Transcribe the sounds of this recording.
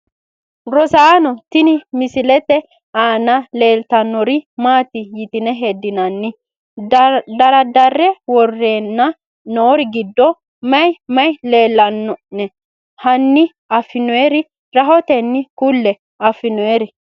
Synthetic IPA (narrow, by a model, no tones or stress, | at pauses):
ɾɔsaːnɔt̪ɪnɪmɪsɪlɛt̪ɛ | aːnɐle̞ːlt̪ɐnːɔɾɪmaːt̪ɪjɪt̪ɪnɛɦed̪ːɪnɐnːɪ | d̪ɐɾɐd̪ɐrːɛwɔrːeːnːɐ | noːɾɪɡɪd̪ːɔ | mɐjmɐjle̞ːlːɐnːɔnɛ | hɐnːɪ | ɐfːɪnɔeɾɪ | ɾɐɦɔt̪ɛnːɪkʊlːɛ | ɐfːɪnɔeɾɪ